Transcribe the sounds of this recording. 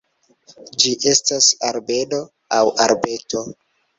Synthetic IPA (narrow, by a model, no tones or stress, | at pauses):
d͡ʒiʔe̞stasaɾbe̞no̞ | awaɾbe̞to̞